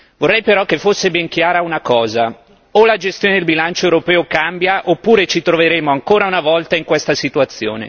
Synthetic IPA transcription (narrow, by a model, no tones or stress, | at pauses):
vorːɛjpeɾɔkːefosːebɛŋk̟jaːɾaunakɔːza | olad͡ʒest̪joːned̪elbilant͡ʃoewɾopɛːokambjaʔopːuːɾet͡ʃit̪ɾoveɾeːmoaŋkoːɾaunavɔlt̪aiŋkwest̪asit̪uat̪sːjo̰ːnḛ